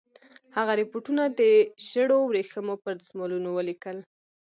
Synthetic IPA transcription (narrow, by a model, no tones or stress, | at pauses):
haɣaɾɪpoʈunad̪əʒəɽowɾexəmopəɾzmɑlunowəlikəl